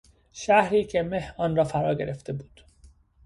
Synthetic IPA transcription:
ʃæhɾiːcʰe̞mehɒːnrɒːfæɾɒːɟe̞̰ɾe̞ft̪e̞buːd̪̥

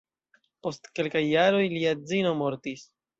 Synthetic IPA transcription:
po̞stke̞lkajːaɾo̞jliad͡zino̞mo̞ɾtis

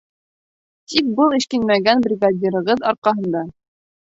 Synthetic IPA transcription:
t̪ik̚bɤlˠĭʃkinmæɡænbrʲiɡadʲiɾɤ̆ʁɤðɑɾqɑɦɤ̆nd̪ɑ

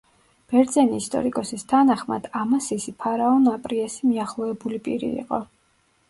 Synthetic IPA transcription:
b̥ɛɾd̪zɛniːst̪ʼɔ̰ɾikʼɔsist̪ʰanaχma̰d̪̥amasisipʰaɾaɔnapʼɾiasimiaχlˠɔɛbulipʼiɾḭːqʼɔ̰

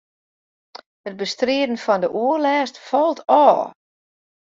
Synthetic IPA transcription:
həd̚bəstrɪədən̩fɔndəʔuərlɛːstfɔlˠtʰɔː

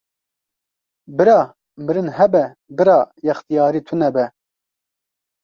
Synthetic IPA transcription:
bɨɾɑː | mɨɾɨnhɛbɛ | bɨɾɑːjɛxt̪ijɑːɾiːt̪ʰunɛbɛ

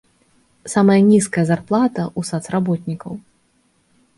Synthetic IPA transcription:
samɐjɐnʲiskɐjɐzarplˠat̪ɐʔusat̪srabɔt̪̚ʲnʲikɐw

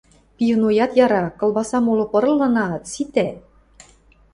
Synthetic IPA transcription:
pʲijunojɑt̪jɑɾɑkɤ̆lˠbɑsɑmolɤ̆pɤ̆ɾɤ̆lːɤ̆nɑt̪sit̪æ

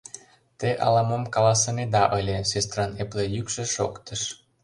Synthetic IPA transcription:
t̪eʔɑ̰lɑmomkɑlɑsɤ̆ned̪ɑʔɤlʲesest̪rɑneplejykʃĕʃokt̪ə̆ʃ

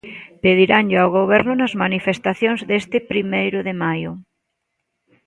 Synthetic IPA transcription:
peð̞iɾaŋʎeawɣ̞oβ̞ɛɾnʊnɐzmanifest̪aθjoŋzðest̪ɪpɾimejɾʊðemajʊ

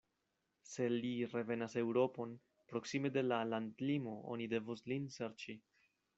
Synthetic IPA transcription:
se̞liɾe̞ve̞nase̞wɾo̞po̞n | pɾo̞ksime̞de̞lalandlimo̞ʔo̞̰nide̞vuslinse̞ɾt͡ʃi

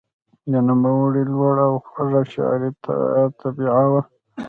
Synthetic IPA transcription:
dənamawaɽilwaɽawxaʐaʃa̰ɾit̪t̪ʰabiʕawa

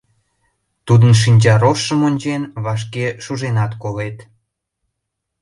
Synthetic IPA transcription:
t̪ud̪ənʃ̬inʲt͡ɕɑɾoʃːəmonʲt͡ɕenβɑʃ̬keʃuʒenɑt̪kolet̪

